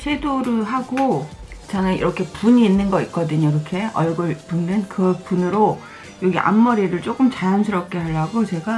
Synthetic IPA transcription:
sʰedoɾɯɦaɡo | t͡ɕaŋeḭɾʌkʰe̞puɲiːnːɯnɡʌit̚k͈ʌdɯɲokɯɾʌkʰe̞ʌɭɡɯɭpunnɯnkɯpunɯɾo | jʌɡiʔa̰mːʌɾiɾɯɭt͡ɕ͈ok͈ɯmt͡ɕajansʰɯɾʌp̚k͈e̞ɦaɭːaɡot͡ɕe̞ɡa

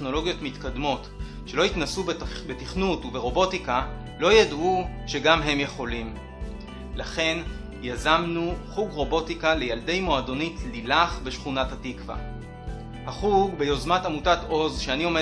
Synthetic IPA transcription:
no̞lo̞ɡijo̞tmitkadmo̞t | ʃe̞lo̞itnasubetiχnutuve̞ʁo̞bo̞tika | lo̞jadʔuʃe̞ɡamɦe̞mje̞χo̞lim | laχe̞n | jazamnuχuɡʁo̞bo̞tikale̞jalde̞jmo̞ado̞nitlilaχbe̞ʃχunathatikva̰ | haχuɡbe̞jo̞zmatamutato̞zʃeanio̞me

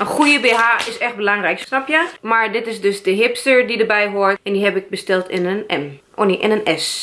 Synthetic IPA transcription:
ənxujəbeːɦaʔɪsɛx̚bəlaŋrɛjksnapjəmaɹdɪtɪsdøsdəɦɪpstəɹdidəɹbɛjɦoəɹtɛndiɦɛbɪk̚bəstɛlˠtɪnənɛmʔoniʔɪnənɛs

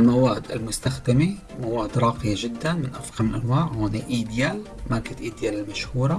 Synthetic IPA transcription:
lmawaːd̪ɪ̰lmʊst̪axd̪ɪmi | mawaːd̪ɾˤɑːqɪjaʒɪd̪ːanmɪnʔafɣamɪlʔanwaːʕhoːniʔiːd̪jal | makɪt̪ʔiːd̪jalɪlmaʃhuːɾˤɑ

